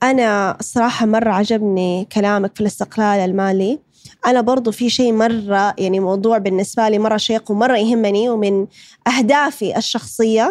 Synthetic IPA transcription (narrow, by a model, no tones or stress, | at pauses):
ʔanasˤːɑɾˤɑːħɑmɑrˤːɑʕad͡ʒabnikalaːmakfilɪst̪ɪqlaːlalmaːli | ʔanabɑɾˤd̪ˤufiʃeːʔmɑrˤːɑjaʕnimɑwd̪ˤuːʕbɪnːɪsbaliːmɑrˤːɑʃeːqwmɑrˤːɑjɦɪmːaniwmɪnʔahd̪aːfiʔɪʃːɑxsˤɨjːa